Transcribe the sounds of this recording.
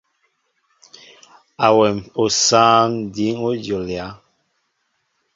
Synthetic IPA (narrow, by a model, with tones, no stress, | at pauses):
a˨wɛ˨mo˨saː˦ŋdi˨˦ŋo˦d͡ʒjo˨lja˨˦